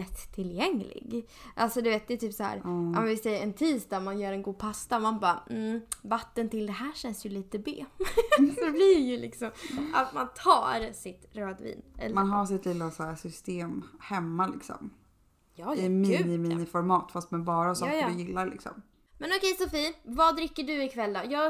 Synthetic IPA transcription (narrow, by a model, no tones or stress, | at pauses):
ɛt̪ʰːɪljɛŋlɪ̰ɡʔalsɔd̪ɵʉveːt̪̚d̪ɛːt̪ʰyːpsɔɦæ̰ːɾa̰mɛnvɪsɛjːəɛnt̪ʰiːsd̪amanjœːɾɛnɡuːd̪̚pʰast̪aɔmanbɑːm̩vat̪ːənt̪ɪld̪ɛɦæːɕɛnsjɵliːt̪əbḛːfd̪ɛblɪjɵlɪ̰ksɔmat̪mant̪ʰɑ̰ːɾsɪt̪ɾøːd̪vḭːnɛ̰manɦas̬ɪt̪lɪlːasaæsʏst̪eːmhɛmːalɪ̰ksɔ̰m | jɪminɪmiːnɪfɔɾmɑːt̪fast̪manɛbɑːɾasɔːdɪjɪlːaɾlɪ̰ksɔ̰m | mɛnɔkɛjsɔfiːvɑd̪ɾɪkːəɖɵɪkʰvɛlːd̪ɑːjɑːɡ